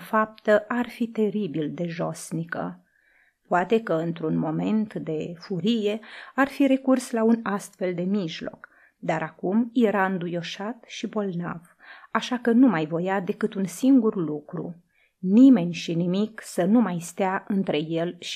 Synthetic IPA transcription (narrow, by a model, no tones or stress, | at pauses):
fap̚t̪əʔarfit̪e̞ɾibild̪e̞ʒo̞snikə̰ | poat̪e̞kəɨnt̪ɾunmo̞me̞nt̪d̪e̞fuɾije̞arfiɾe̞kurslaunast̪fe̞ld̪e̞miʒlo̞̰k | d̪aɾakumje̞ɾaɨnd̪ujo̞ʃat̪ʃibo̞lna̰v̥ | aʃakənumajvo̞jad̪e̞kɨt̪unsiŋɡurlukɾṵ | nime̞nʲʃinimiksənumajst̪eaɨnt̪ɾe̞je̞lʃ